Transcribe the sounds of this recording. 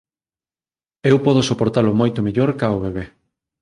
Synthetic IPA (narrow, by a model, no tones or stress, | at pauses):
ewpɔð̞osopoɾt̪alʊmojt̪omeʎoɾkaoβeβ̞e